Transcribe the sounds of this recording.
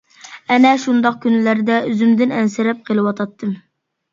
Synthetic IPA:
ɛnɛʃund̪ɑq̚kʲynlæɾd̪ɛyzymd̪ɪnɛnsɪɾɛp̚qʰəlˠɨwɑt̪ʰɑt̪ʰːɨm

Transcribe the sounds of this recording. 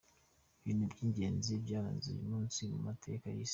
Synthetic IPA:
βiːnubɟiːɲɟe̞ːnzibɟaːɾanzḭjṵmuːnsimumatʰe̞̰kajis

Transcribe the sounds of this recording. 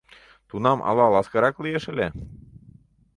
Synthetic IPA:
t̪unɑmʔɑ̰lɑlˠɑskɑɾɑklijeʃɘ̆lʲe

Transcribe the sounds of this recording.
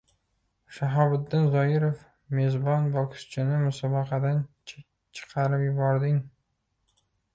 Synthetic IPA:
ʃaɦɒbɪd̪ːɪnzɒjɪɾof | me̞zbɒnbɒkʰst͡ʃʰɪnɪmʊsɒbɑqʰɑd̪an | t͡ʃʰɨ̥qʰɑɾɪpjʊbɒɾd̪ɪŋ

